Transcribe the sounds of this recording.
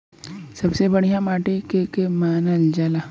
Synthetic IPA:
sɐbsebɐɽ̤ijãmaːʈekekemaːnəld͡ʒaːlaː

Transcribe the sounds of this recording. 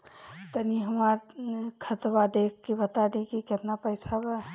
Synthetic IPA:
t̪əniɦəmaɾkʰət̪bad̪ekkibət̪ad̪ekiket̪napəjt͡ʃʰabɛ

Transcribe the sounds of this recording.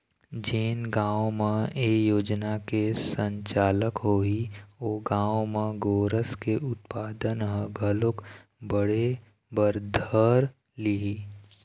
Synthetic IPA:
d͡ʒeːnɡãːwmẽeːjoːd͡ʒnakesə̃ɲt͡ʃaːləkɦoːioːɡãːwmẽɡoːɾəskeʔʊt̪̚paːd̪ənɦə̃ɡʱəlʊk | bəɽe | bəɾd̪ʱəɾ | liɦi

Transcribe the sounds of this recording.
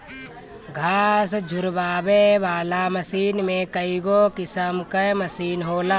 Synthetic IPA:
ɡʱaːs̬d͡ʒʱʊɾbaːbeʋaːlaməsiːnmẽkəiɡokɪsəmkəməsiːnɦoːlaː

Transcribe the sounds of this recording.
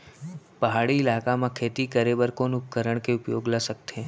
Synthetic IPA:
pəɦaɽiɪlakamãkʰet̪ikəɾebəɾkonʊp̚kəɾəɳkeʊpjoɡləsəkt̪ʰe

